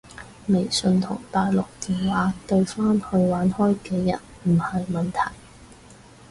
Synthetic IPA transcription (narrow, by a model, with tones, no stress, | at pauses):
me˨˩jsɵ˧nt̪ʰʊ˨˩ŋt̪aː˨jlʊ˨k̚t̪iː˨nwaː˨˥t̪ɵ˧ɥfaː˥nhɵ˧ɥwaː˨˥nhɔː˥jkɛː˧jɐ̰˨˩nm̩˨˩hɐ˨jmɐ˨nt̪ʰɐ̰˨˩j